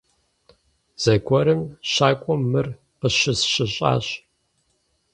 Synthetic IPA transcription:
z̥ɐɡʷʰɔɾɨmɕaːkʷʼɔmːɨr | qəɕɪsɕɪɕʼa̰ːɕ

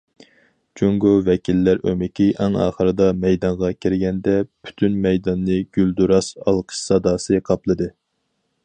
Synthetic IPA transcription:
d͡ʒʰuŋɡovɛkʲilːæɾø̰mɪkʲiʔæŋɑ̰ːχəɾɨd̪ɑmɛjd̪ɑɴʁɑkʲʰiɾɪɡʲɛnd̪ɛpʰy̥t̪ʰynmɛjd̪ɑnːɨɡ̥ʲyld̪uɾɑsɑ̰lˠqʰə̥ʃsɑd̪ɑːsɨqʰɑplˠɨd̪ɨ

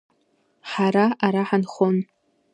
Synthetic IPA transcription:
ħaɾaaɾaħanχon

